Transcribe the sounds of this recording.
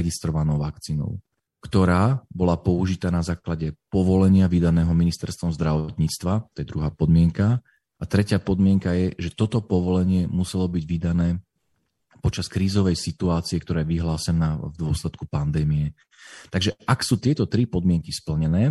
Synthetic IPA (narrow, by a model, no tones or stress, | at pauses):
ɛɡist̪ɾɔʋanɔʊʋakt͡siːnɔ̰ʊ | kt̪ɔɾaːbɔlapɔuʒit̪aːnazaːklaɟɛpɔʋɔlɛɲɪaʋid̪anɛːɦɔminist̪ɛɾst̪ʋɔmzd̪ɾaʋɔt̪ɲiːt͡st̪ʋat̪ɔjɛd̪ɾuɦaːpɔd̪mɪɛŋka | ʔat̪ɾɛcɪaːpɔd̪mɪɛŋkajɛʒɛt̪ɔt̪ɔpɔʋɔlɛɲɪɛmusɛlɔbiɟʋid̪anɛː | pɔt͡ʃaskɾiːzɔʋɛjsit̪uaːt͡siɛk̚t̪ɔɾɛːjʋiɦlaːsɛnavd̪ʊɔslɛt̪kupand̪ɛːmijɛ | t̪aɡʒɛʔaksuːt̪ɪɛt̪ɔt̪ɾipɔd̪mɪɛŋkispl̩ɲɛnɛː